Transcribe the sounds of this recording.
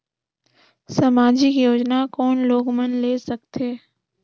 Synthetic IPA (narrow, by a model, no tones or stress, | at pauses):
sɐmaːd͡ʒikijoːd͡ʒnakɔːnloːɡmənleːsɐkt̪ʰeː